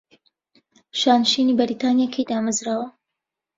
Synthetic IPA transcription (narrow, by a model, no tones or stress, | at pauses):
ʃaːnʃiniːbɨɾit̪aːnijakʰejd̪aːmazɾaːwɐ